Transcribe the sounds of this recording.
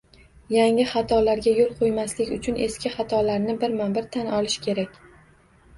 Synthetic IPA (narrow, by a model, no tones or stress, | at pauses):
jaŋɪχɑt̪ʰɒlaɾɡʲajolˠqʰojmaslɪkʲʊt͡ʃʰʊnʔe̞skʲɪχɑt̪ʰɒlaɾnɪbɪɾmanbɪɾt̪ʰanɒlɪʃkʲʰe̞ɾakʲ